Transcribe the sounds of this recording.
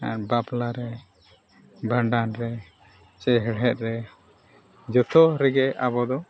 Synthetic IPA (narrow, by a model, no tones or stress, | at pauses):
a̰ɾbaplaɾɛ | baɳɖanɾɛ | t͡ʃɛɦɛɽɦɛt̪̚ɾɛ | d͡ʒɔt̪ʰɔɾɛɡɛʔabɔd̪ɔ